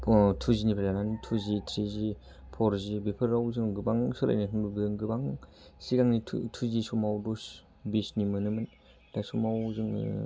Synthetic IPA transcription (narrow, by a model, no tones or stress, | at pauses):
tʰuzinipʰalanantʰuzitʰɾizi | pʰɔɾzibipʰɯɾawzɯŋɡɯbaŋsɯɾa̰jnɯtʰɯŋbɯbzɯŋɡɯbaŋ | siɡaŋnitʰtʰuzisumawdus | bisnimɯnɯmɯn | dasumawzɯŋ